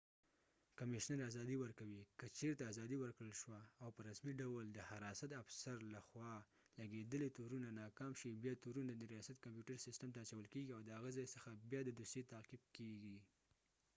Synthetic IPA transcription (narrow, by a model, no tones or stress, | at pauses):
kamɪʃnəɾazɑd̪iwəɾkawikət͡ʃeɾt̪aːzɑd̪iwəɾkɽəlʃwaːwpəɾasmiɖawld̪əhaɾɑsat̪afsaɾlaxwɑ | laɡed̪əlet̪uɾunanɑkɑmʃibjɑt̪uɾunad̪əɾijɑsat̪̚kampjuʈaɾsɪstəmt̪aːt͡ʃawəlkeɡiawd̪əhaɣəzɑjsəxabjɑd̪əd̪uset̪aqib̚keɡi